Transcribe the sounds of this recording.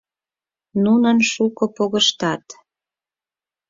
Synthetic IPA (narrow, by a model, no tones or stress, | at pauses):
nunənʃukopoɣəʃt̪ɑt̪